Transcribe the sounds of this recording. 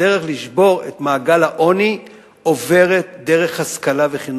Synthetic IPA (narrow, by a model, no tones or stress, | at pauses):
eʁe̞χliʃbo̞ʁe̞̰t̪maːɡalhaʔo̞ni | o̞ve̞ʁet̪d̪e̞ʁe̞χhaskalaveχin